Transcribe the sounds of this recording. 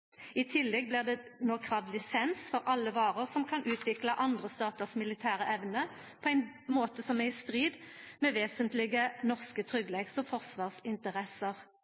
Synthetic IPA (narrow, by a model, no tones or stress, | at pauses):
ɪt̪ʰɪlːɛɡ̚blɪʁd̪ɛnoːkʰʁɑːʋd̪lɪsɛnsfɔʁʔɑlːəʋɑːʁəʁsɔmkʰɑnʔʉːt̪ʰʋɪklɑʔɑnd̪ʁəst̪ɑːt̪əʁsmɪlɪt̪ʰæːʁəʔɛʋnə | pʰɔæɪn | moːt̪əsɔmæɪst̪ʁiːd̪mɛʋeːsənt̪lɪɡənɔʁskət̪ʰʁʏɡlɛksɔfɔʁsʋɑːʁsɪnt̪əʁɛsəʁ